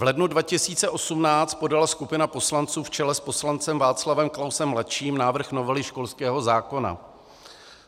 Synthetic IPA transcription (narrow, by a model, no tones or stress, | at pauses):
vlɛdnudvacɪsiːt͡sɛʔo̞sumnaːt͡st̪̚po̞dalaskupɪnapo̞slant͡suːft͡ʃɛlɛspo̞slant͡sɛmvaːt͡slavɛmklawsɛmːlatʃiːmnaːvr̩xno̞vɛlɪʃko̞lskɛːɦo̞zaːko̞na̰